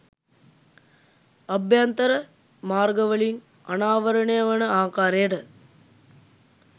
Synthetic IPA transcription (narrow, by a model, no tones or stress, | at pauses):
ɐbʱjant̪ɐɾə | maːrɡɐʋəɭiŋ | ɐnaːʋɐɾɐɳejɐʋɐnəaːkaːɾejəʈə